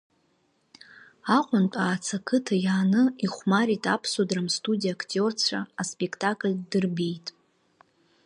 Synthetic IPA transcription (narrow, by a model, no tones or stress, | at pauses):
aqʷʼʊntʼaːt͡sʰakʰɨtʰajaːnɨiχʷmaɾitʼapʰsodramstʼudijakʰtʼort͡sʷʰa̰ːspʼekʰtʼakʼlʲdɨrbejtʼ